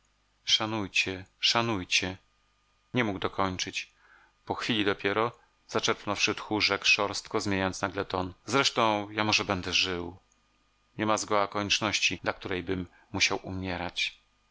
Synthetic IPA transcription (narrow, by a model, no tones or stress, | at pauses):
ʂanujt͡ɕɛʂanujt͡ɕɛ | ɲɛmuɡd̪ɔkʰɔɲt͡ʂɘt͡ɕ | pɔxfʲilʲid̪ɔpʲjɛɾɔ | zat͡ʂɛɾpnɔfʂɘt̪xuʐɛkʂɔɾst̪kɔzmʲjeɲajɔnt̪snaɡlɛt̪ɔnzɾɛʂt̪ɔ̃w̃jamɔʐɛbɛnd̪ɛʐɘw | ɲɛmazɡɔwakɔɲɛt͡ʂnɔɕt͡ɕid̪lak̚t̪uɾɛjbɘmː | uɕawumʲɛɾat͡ɕ